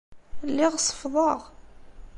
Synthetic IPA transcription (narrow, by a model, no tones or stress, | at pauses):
lːɪʁsˤːə̥fðˤɑʁ